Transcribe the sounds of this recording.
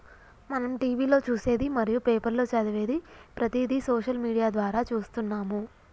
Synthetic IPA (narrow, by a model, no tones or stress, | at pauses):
mɐnɐmʈiːʋiːlo̞ːt͡ʃuːse̞ːd̪imɐɾijupeːpɐɾlo̞ːt͡ʃɐd̪iʋe̞ːd̪ipɾɐt̪iːd̪isoːʃɐlmiːɽijaːd̪ʋaːɾaːt͡ʃuːst̪unːaːmu